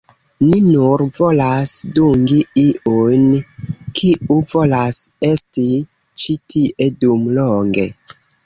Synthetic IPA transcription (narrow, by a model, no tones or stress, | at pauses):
ninuɾvolasduŋɡiiʔujnkʰiʔuvolase̞sti | t͡ʃitʰiʔedumloŋɡe̞̰